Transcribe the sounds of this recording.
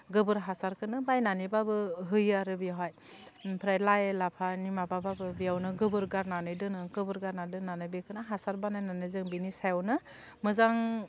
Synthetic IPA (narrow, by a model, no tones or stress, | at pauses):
ɡɯbɯɾɦasaɾkʰɯnɯbajnanibabɯɦɯjaɾɯbijaɦaj | pʰɾajlajlapʰanimabababɯbijawnɯɡɯbɯɾɡaɾnanɯjdɯnɯɡɯbɯɾɡaɾnadɯnːanɯjbekʰɯnaɦasaɾbanajnanɯzɯŋbinisajawnɯ | mɯzaŋ